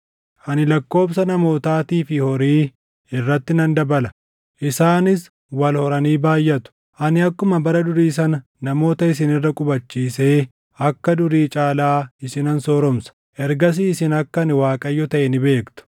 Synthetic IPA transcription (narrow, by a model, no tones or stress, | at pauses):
ʔɐnɪlɐkːo̞ːbsɐnɐmo̞ːt̪aːt̪iːfɪhɔɾiː | ɪrːɐt̪ːɪnɐnd̪ɐbɐlɐ | ʔɪsaːnɪs | wɐlhɔɾɐniːbaːjːɐt̪ʊ̥ | ʔɐnɪɐkːʊmɐbɐɾɐd̪ʊɾiːs̬ɐnɐ | nɐmo̞ːt̪ɐɪs̬ɪnɪrːɐkʼʊbɐt͡ʃːiːse̞ː | ɐkːɐd̪ʊɾiːt͡ʃʼaːlaːɪsɪnɐnsɔːɾɔmsɐ̥ | ʔɛɾɡɐs̬iːɪsɪnɐkːɐnɪwaːkʼɐjːɔt̪ɐʔɛnɪbe̞ːkt̪ʊ̥